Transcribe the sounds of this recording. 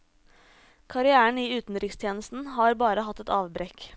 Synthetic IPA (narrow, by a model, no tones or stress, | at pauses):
kʰɑɾɪæːəɳ̩iːʉːt̪n̩d̪ɾɪkst̪ʰjeːnəst̪n̩hɑːɾbɑːɾəhɑt̪ːɛt̪ɑːʋbɾeːk